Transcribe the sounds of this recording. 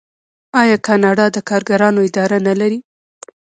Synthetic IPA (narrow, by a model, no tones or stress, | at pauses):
ɑjɑkɑnɑɖɑd̪əkɑɾɡaɾɑnoɪd̪ɑɾanalaɾi